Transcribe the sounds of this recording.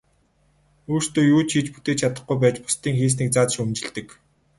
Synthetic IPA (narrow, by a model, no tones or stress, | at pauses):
uːr̥st̪oːjuːt͡ɕʰxiːt͡ɕput̪eːt͡ɕʰat̪ə̆χɡujpæːt͡ɕpʊ̥st̪iːŋxeːs̬niːk̚t͡saːt͡sʃumt͡ɕɪ̆ɮt̪ɘ̆k